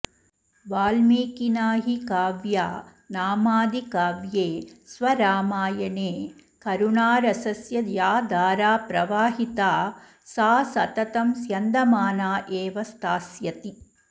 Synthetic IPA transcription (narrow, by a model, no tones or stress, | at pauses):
ʋaːlmeːkinaːɦikaːʋjaː | naːmaːd̪ikaːʋjeːsʋɐɾaːmaːjɐneːkɐɾunaːɾɐsɐsjɐjaːd̪aːɾaːpɾɐʋaːɦit̪aː | saːsɐt̪ɐt̪ɐmsjɐnd̪ɐmaːnaːʔeːʋɐst̪aːsjɐt̪i